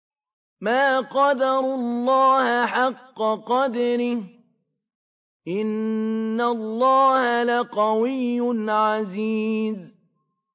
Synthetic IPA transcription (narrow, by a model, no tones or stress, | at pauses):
maːqɑd̪ɑɾˤʊlːɑːhaħɑqːɑqɑd̪ɑɾɪh | ʔɪnːalˤːɑːhalaqɑwɪjːʊnʕaziːz